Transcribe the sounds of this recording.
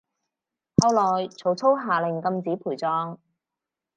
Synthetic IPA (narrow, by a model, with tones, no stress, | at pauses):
hɐ˧wlɔː˨˩jt͡sʰo˨˥wt͡sʰo˥wɦaː˨˩lɪ˨˩ŋkɐ˧mt͡siː˨˥pʰuː˨˩jt͡sɔː˧ŋ